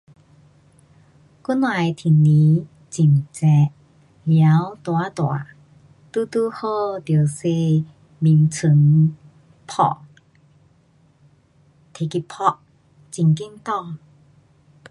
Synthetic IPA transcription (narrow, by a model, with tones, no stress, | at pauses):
ku˦˥nwa˧˨jt̪ʰi˨˩nĩ˨˦ | t͡ɕi˨˩mt͡sɛ˧ʔ | lja˨˧˦wt̪wa˨˧˦t̪wa̰˨˩˦ | t̪u˧t̪u˧ho˥˧t̪jo˨˩wse˧ | mi˨˩ŋt͡sʰɨ˨˧˦ŋ | pʰɔ̰˧˩ʔ | t̪ʰe˨˩ki˧˩pʰɔ˧ʔ | t͡ɕi˨˩ŋki˥˧mt̪ɔ˥˧˨ŋ